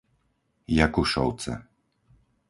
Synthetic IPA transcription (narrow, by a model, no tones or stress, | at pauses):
jakuʃɔ̰wt̪sɛ̰